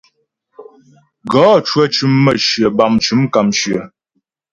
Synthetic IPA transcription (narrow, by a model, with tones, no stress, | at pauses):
ɡɔ˨˦t͡ʃwə˦˨t͡ʃʉ˨mːə˨ʃɰə˨ba˨mt͡ʃʉ˨˦mka˨mʃɰə˨